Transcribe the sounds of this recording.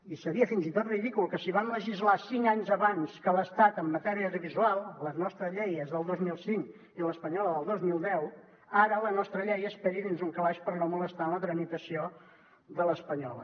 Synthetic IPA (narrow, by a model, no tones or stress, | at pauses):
isəɾiəfinzit̪ot̪riðikulˠkəsiβ̞anləʒizlasiŋaɲzəβanskələst̪at̪əmːət̪ɛɾiəoðuβizualˠləznɔst̪ɾəzʎɛjəzðəlˠd̪ozmilˠsiŋk | iləspəɲɔləðəlˠd̪ozmilˠd̪ɛw | aɾələnɔst̪ɾəʎɛjəspɛɾiðinzuŋkəβaʃpəɾnomuləst̪anlət̪ɾəmit̪əsio | ðələspəɲɔ̰lˠə̰